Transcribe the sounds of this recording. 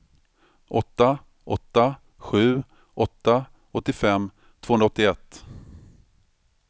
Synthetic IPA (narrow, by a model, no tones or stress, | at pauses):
ʔɔt̪ːa | ʔɔt̪ːa | ɧʉ̟ː | ʔɔt̪ːa | ʔɔt̪ːɪfɛmː | t̪ʰoːɵnaɔt̪ːɪɛt̪ː